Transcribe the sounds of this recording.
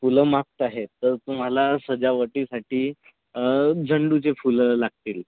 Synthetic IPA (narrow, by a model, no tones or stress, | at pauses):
fuləmak̚t̪aɦet̪ːəɾt̪um̤alasəd͡ʑaʋəʈiːsaʈiː | d͡zʱəɳɖut͡sefuləlaɡ̚t̪iːl